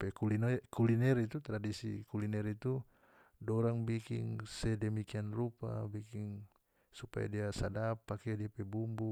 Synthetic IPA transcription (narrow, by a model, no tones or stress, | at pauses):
pɛkulinɛkulinɛɾit̪ut̪ɾadisḭkulinɛɾit̪u | dɔɾaŋbikḭŋsɛdɛmikianrupa̰bikiŋ | supa̰ja̰diasadapːakɛdiapɛbumbu